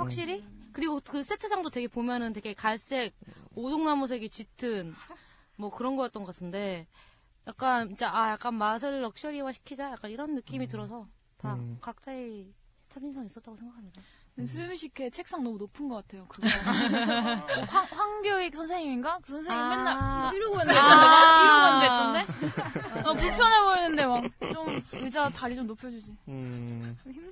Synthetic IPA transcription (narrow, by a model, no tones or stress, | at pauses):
ɸwak̚ɕ͈iɾikɯɾiɡokɯs͈et͡ɕʰasaŋdote̞ɡe̞pomjʌnɯnte̞ɡe̞kaɭs͈e̞k̚odoŋnamus̬ʰe̞ɡit͡ɕitʰɯn | mwʌkɯɾʌnɡʌk͈at͈ʌnɡʌk͈atʰɯnde̞ | jak̚k͈anid͡ʑeʔajak͈anmasʰɯɭːʌk̚ɕ͈ʌɾiwaɕʰi̥kʰid͡ʑajak͈aniɾʌnːɯk͈imitɯɾʌsʰʌ | takak̚t͡ɕ͈ai | t͡ɕʰaɡinsʰʌŋis͈ʌt̚t͈aɡosʰe̞ŋɡakʰamɲida | nesʰɯmɕʰikʰe̞t͡ɕʰek̚s͈aŋnʌmunopʰɯnɡʌk͈atʰe̞jokɯɡ | haŋɸwaŋɡjʌikɯsʰʌnsʰe̞ŋiminɡakɯsʰʌnsʰeŋienːaɭiɾoɡoʌneɯndeaiɾɯndeetːɯnde̞ | apuɭpʰjʌneboʌnːɯnde̞mak̚t͡ɕomɯd͡ʑataɾid͡ʑomnopʰjʌd͡ʑud͡ʑi | im